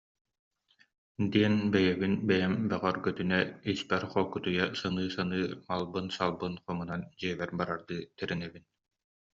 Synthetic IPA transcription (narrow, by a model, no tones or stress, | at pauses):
d̪iɛnbɛjɛβinbɛjɛmbɛʁœɾɡœt̪ynɛispɛɾχɔlkːut̪ujasanɯːsanɯːmalˠbɯnsalˠbɯnχɔmɯnand͡ʑiɛβɛɾbaɾaɾd̪ɯːt̪ɛɾinɛbin